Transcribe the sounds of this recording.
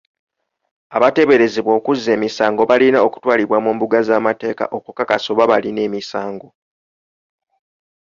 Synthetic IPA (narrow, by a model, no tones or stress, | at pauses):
aβate̞βe̞ɾe̞zeβwo̞ːkuzːe̞ːmisaːŋɡo̞βalinao̞ku̥twaːliβwamuːmbuɡazaːmate̞ːka̰ʔo̞kukakaso̞βaβaline̞ːmisaːŋɡo̞